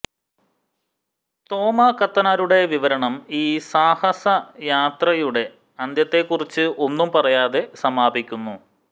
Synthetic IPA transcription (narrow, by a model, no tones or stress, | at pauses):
t̪o̞ːmɐkɐt̪ːɐnaːɾuɽe̞ʋiʋɐɾɐɳɐmiːsaːhɐsɐjaːt̪rɐjuɽe̞ | ɐnd̪jɐt̪ːe̞kːurit͡ɕːɨʔo̞nːumpɐrɐjaːðe̞sɐmaːbikʲːunːu